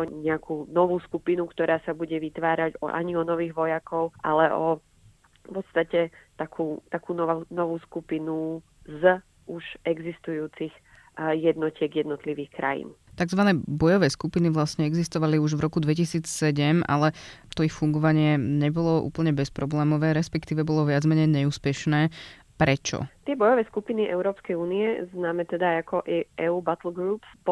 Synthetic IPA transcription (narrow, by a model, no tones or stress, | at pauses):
ɔɲɛakuːnɔʋuːskupinukt̪ɔɾaːsabuɟɛʋit̪ʋaːɾaɟɔ̰ʔa̰ɲiɔnɔʋiːɣʋɔjakɔʊʔalɛʔɔ | pɔt̪st̪acɛt̪akʰuːt̪akuːnɔanɔʋuːskupinu | z | uʒɛɡzist̪ujuːt͡six | jɛd̪nɔcɪɛɡjɛd̪nɔt̪liʋiːxkɾa̰jḭːnt̪aɡzʋanɛːbɔjɔʋɛːskupiniʋlasɲɛɛɡzist̪ɔʋaliuʒʋɾʔɔkud̪ʋɛcisiːt͡ssɛɟɛmʔa̰lɛt̪ɔixfuŋɡɔʋaɲɪɛɲɛbɔlɔʔṵːpl̩ɲɛbɛspɾɔblɛːmɔʋɛːɾɛspɛkt̪iːʋɛbɔlɔʋɪad͡zmɛɲɛjɲɛuːspɛʃnɛː | pɾɛt͡ʃɔ̰t̪ɪɛbɔjɔʋɛːskupiniʔɛʊɾɔːpskɛjuːniɛznaːmɛt̪ɛd̪ajakɔʔʔɛuːbat̪l̩ɡɾuːps